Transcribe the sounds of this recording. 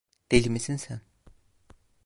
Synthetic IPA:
t̪eɮʲmesɘ̆nsœn

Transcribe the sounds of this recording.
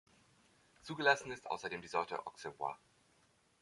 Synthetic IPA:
t͡suːɡəlasn̩ɪstʔa̰ʊsɐdeːmdiːzɔɐtə̰ʔɔ̰ksɪvwa̰

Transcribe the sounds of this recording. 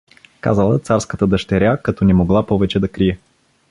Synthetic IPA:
ka̰zəlˠət̪saɾskət̪əd̪ɐʃt̪ɛɾʲjakɐt̪ɔnɛmoɡlˠapɔvɛt͡ʃɛd̪ɐkɾiɛ

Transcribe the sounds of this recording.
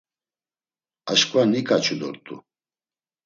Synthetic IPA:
aʃkʼanikʼat͡ʃʰud̪ɔ̰ɾt̪ʼṵ

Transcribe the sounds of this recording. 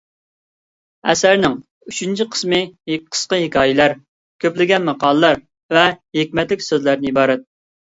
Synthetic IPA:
ɛ̰sæɾnɪŋ | yt͡ʃʰynt͡ʃʰiqʰə̥smɨqʰə̥sqəɦekʲʰɑːjɪlæɾ | kʲʰøplɪɡʲɛnmɑqɑːlˠəlˠɑɾ | vɛɦekʲmɛt̪lɪkʲsøzlæɾnɪibɑːɾɛt̪̚

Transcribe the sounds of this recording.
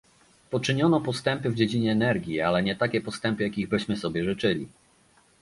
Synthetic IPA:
pɔt͡ʂɘɲɔnɔpɔst̪ɛmpɘvd͡ʑed͡ʑiɲɛːnɛɾɡʲjialɛɲɛt̪akʲɛpɔst̪ɛmpɘjakʲiɣbɘɕmɘsɔbʲjɛʐɘt͡ʂɘlʲḭ

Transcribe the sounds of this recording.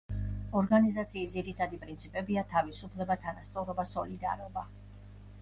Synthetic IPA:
ɔɾɡanizat̪sʰiːsd̪ziɾit̪ʰad̪ipʼɾint̪sʰipʼɛbiat̪ʰavisupʰlɛbat̪ʰanast̪sʼɔɾɔbasɔlid̪a̰ɾɔba

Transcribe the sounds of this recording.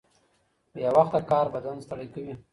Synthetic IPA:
jawaxt̪akɑɾbad̪anst̪aɽajkawi

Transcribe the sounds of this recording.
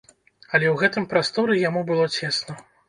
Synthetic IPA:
ɐlʲɛwɣɛt̪ɨmpɾast̪ɔɾɨjamubɨlˠɔt͡sʲesnɐ

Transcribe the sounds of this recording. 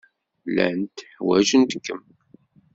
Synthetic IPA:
læ̰nt̪ħwæʒənt̪əkːəm

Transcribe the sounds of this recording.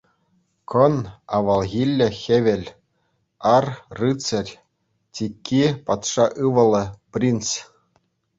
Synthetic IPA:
kɤ̆nɑʋɑlˠɣʲilʲːɘ̆xʲĕʋʲɘ̆lʲ | ɑrrɯt͡sɘ̆rʲ | tʲikʲːipɑt̪ʂɑʔɯʋɤ̆lˠɤ̆pʲrʲins

